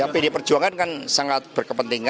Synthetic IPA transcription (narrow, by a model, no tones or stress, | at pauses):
apidipərd͡ʒuaŋankansaŋat̪̚b̥ərkəpənt̪iŋa